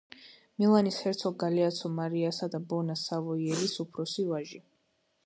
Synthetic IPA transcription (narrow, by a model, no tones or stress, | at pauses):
milˠanishɛɾt̪sʰɔɡaliat̪sʰɔmaɾiasad̪abɔnasavɔiɛɾisupʰɾɔsivaʒi